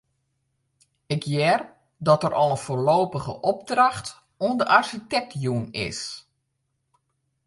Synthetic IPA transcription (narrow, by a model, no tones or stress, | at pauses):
ɪkjɛr | dɔtərʔɔlˠənfoːrloːpəɣə̰ʔɔb̚draxt | uəndəʔarsitɛk̚tjunɪ̰s